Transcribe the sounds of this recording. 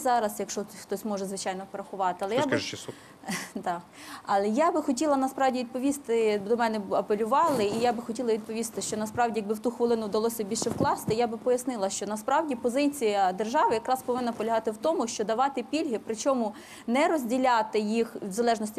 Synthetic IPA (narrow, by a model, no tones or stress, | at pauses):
zɑɾɐsjɐkʃɔxt̪ɔsʲmɔʒɛzʋɪt͡ʃɑjnɔpɾɐxʊʋɑt̪ɪɐlˠɛjabt͡ʃ | t̪ɑ | ɐlˠɛjabɪxɔtʲilˠɐnɐspɾɑwdʲiʋʲid̪̚pɔʋʲist̪ɪd̪ɔmɛnɛɐpelʲʊʋɑlˠɪijabɪxɔtʲilˠɐʋʲid̪̚pɔʋʲist̪ɪʃt͡ʃɔnɐspɾɑwdʲijɐɡbɪwt̪uxʋɪlˠɪnʊwd̪ɐlˠɔsʲɐbʲilʲʃɛwklˠɑst̪ɪjabɪpɔjɐsnɪlˠɐʃt͡ʃɔnɐspɾɑwdʲipɔzɪt͡sʲijɐd̪erʒɑʋɪjɐkɾɑspɔʋɪnːɐpɔlʲɐɦɑt̪ɪwt̪ɔmʊʃt͡ʃɔd̪ɐʋɑt̪ɪpʲilʲɦɪpɾɪt͡ʃɔmʊ | nɛɾɔzʲdʲilʲɑt̪ɪjixwzɐlˠɛʒnɔsʲtʲ